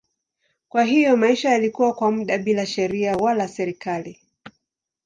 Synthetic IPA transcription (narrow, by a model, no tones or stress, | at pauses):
kwaɦijɔmaiʃajalikuwakwamuɗaɓilaʃɛɾiawalasɛɾikali